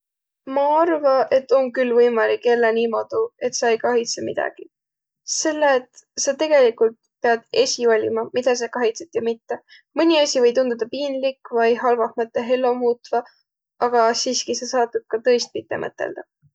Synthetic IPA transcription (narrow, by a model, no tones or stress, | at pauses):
mɑɑrvɑʔe̞t̪ːˑo̞ŋkylvɤjmɑlikːelːeniːmo̞d̪̥ue̞t̪sɑejkɑɦit̪semid̪̥ɑ̰ɡ̥i | se̞lːet̪sɑt̪e̞ɡ̥e̞likult̪̚ | pe̞ɑd̪̥e̞sʲiolʲḭmɑmid̪̥ɑs̬ekɑɦit̪set̪jɑmit̪ːe | mɤnʲiɑsʲivɤ̞jt̪und̪̥ud̪̥ɑpiːnlikvɑjɦɑlvɑhmɤt̪ːˑeɦe̞lːo̞muːt̪vɑ | ʔɑɡ̥ɑsiːskise̞sɑːt̪ːub̥̪̚kɑt̪ɤ̞jst̪̚mit̪ˑːe̞̰mɤ̰t̪ːˑḛld̪̥ɑ